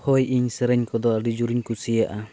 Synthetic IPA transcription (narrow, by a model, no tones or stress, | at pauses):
hɔjiɲsɛɾɛɲkɔd̪ɔɾid͡ʒuɾiɲkusijaʔa